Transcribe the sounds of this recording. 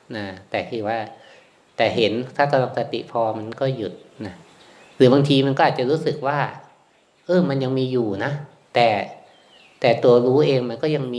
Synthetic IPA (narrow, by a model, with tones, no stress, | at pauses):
naː˧˩t̪ɛː˨˩k̪ʰiː˧˨˩waː˥˩ | t̪ɛː˨˩ɦe˩˦nt̪ʰaː˥˩ka˧la˧ŋsa˧t̪ḭ˨˩pʰɔː˧ma˧nkɔː˥˩ju˨˩t̪̚na˦˥ | ɾɯː˩˦baː˧ŋt̪ʰiː˧ma˧nkɔː˥˩ʔ̪̚ːt͡ɕa˨˩ɾuː˦˥sɯ˨˩k̚waː˥˩ | ʔɤː˧˩ma˧nja˧ŋmiː˧juː˨˩na˦˥ | t̪ɛː˨˩ | t̪ɛː˨˩t̪u˧ɐɾuː˦˥ʔeː˧ŋma˧nkɔː˥˩ja˧ŋmiː˧